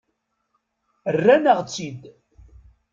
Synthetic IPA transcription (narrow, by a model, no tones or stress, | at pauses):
ərːænəʁt͡sːid̪